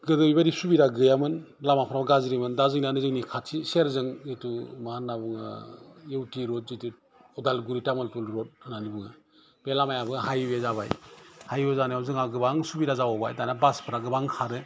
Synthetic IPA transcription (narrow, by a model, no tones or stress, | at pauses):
ɡɯdɯwibaɾisubiɾaɡɯjamɯnlamapʰɾabɡazɾimɯndazɯŋnanɯzɯŋnikʰatʰiseɾzɯŋetumahanːabuŋa̰jewtiɾɔt̚zitit̚ | ɔdalɡuɾitamɯlpɯlɾɔt̚nanibuŋa̰ | b̥elamajabɯɦajwezaβajhajwezaniawzɯŋaɡɯbaŋsubiɾazawɔbajtanabaspʰɯɾaɡɯbaŋkʰaɾɯ